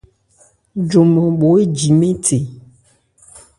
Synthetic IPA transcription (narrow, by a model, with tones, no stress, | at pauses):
d͡ʒo˨mɔ̃˨ɓo˨˦e˦d͡ʒi˨mẽ˦tʰe˨